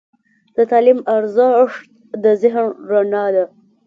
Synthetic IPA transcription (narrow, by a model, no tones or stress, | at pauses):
d̪̥ət̪ɑlimaɾzəʂt̪̚ | d̪əzɪɦnɾanɑd̪a